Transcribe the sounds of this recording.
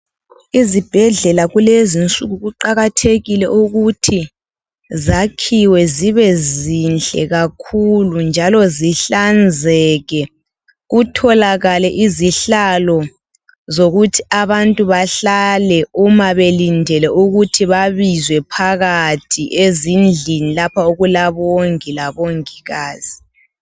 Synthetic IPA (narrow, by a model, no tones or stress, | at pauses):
izib̥ʱɛɮɛlaɣulezint͡sʼuɣuɣuǃaɣatʰeɣilɛʔuɣutʰi | zakʰiwɛziβɛzint͡ɬʼɛ̰ɣakʰulund͡ʒʱalɔziɬand͡zʱɛɣɛ | ɣutʰɔlaɣalɛʔiziɬalɔ | zoɣutʰi̥aβantʼuβaɬalɛumaβelindʱɛlɛʔuɣutʰiβaβizwɛpʰaɣatʰiʔezind͡ɮʱinilapʰaoɣulaβoŋilaβoŋiɣaːzi